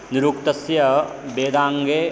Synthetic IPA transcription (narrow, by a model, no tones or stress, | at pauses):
niɾuːkt̪ɐsjɐ | beːd̪aːŋɡeː